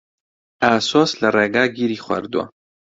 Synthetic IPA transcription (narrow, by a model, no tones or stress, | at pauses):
aːsoːslɐreːɡaːɡiːɾiːxwɐ̰ɾd̪uwɐ̰